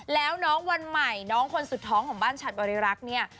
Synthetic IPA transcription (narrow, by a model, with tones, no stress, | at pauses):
lɛː˦˥wnɔː˦˥ŋwa˧nma˨˩jnɔː˦˥ŋkʰo˧nsu˨˩t̪ʰːɔː˦˥ŋkʰɔː˩˦ŋbaː˥˩nt͡ɕʰaː˨˩t̪̚bɔː˧ɾi˧ɾa˦˥k̚ni˥˩ɐ